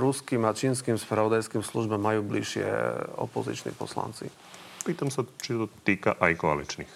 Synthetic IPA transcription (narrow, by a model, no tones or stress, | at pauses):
ɾuskimat͡ʃiːns̬kimspɾaʋɔd̪ajskimsluʒbamːajuːbliʃɪɛ̰ɔ̰pɔzḭt͡ʃnḭpɔ̰sla̰nt͡sḭ | piːt̪amsat͡ʃit̪ɔt̪iːka̰ʔajkɔa̰lit͡ʃnix